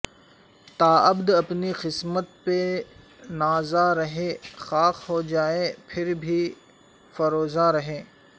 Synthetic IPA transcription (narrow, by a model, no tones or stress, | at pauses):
t̪aːɐbd̪ɐpnixɪsmət̪̚pe | naːzaɾɐɦeːxaːkɦod͡ʒaːepʰɪɾbʱi | fɐɾoːzaɾɐɦẽː